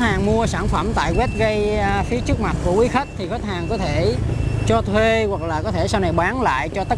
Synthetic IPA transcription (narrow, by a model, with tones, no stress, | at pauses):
t̚haː˨˩ŋmu˧əsaː˧˩nfə˧˩mt̪a̰ː˧˨jɣwɛ˦˥t̚ɣə˧jfi˨˦ət͡ɕɨ˦˥k̚ma˨˩t̚ku˧˩əkwi˨˦xə˦˥t̚t̪ʰi˨˩xɔ˦˥t̚haː˨˩ŋkɔ˨˦t̪ʰe˧˩˨t͡ɕɔ˧t̪ʰwe˧ɣwa˨˩k̚laː˨˩kɔ˨˦t̪ʰe˧˩saː˧wna˨˩jɓaː˨˦nla̰ː˧˨jt͡ɕɔ˧t̪ə˦˥